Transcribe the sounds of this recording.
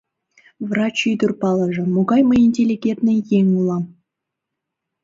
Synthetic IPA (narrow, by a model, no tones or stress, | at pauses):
vrɑt͡ɕyd̪urpɑlˠəʐɤ̆moɡɑjməinʲtʲelʲiɡʲent̪nə̆jeŋʲulˠɑm